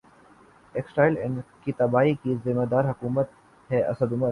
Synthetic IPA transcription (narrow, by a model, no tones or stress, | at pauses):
eːksʈaːɪlɪnkit̪ɐbaːikizɪmed̪aːɾɦɐkuːmət̪ | hɛːʔɐ̰səd̪ʊməɾ